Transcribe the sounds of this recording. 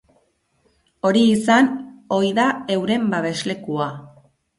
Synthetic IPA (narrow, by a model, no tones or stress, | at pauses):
o̞ɾiːsano̞jðae̞wɾe̞mbaβe̞zle̞kua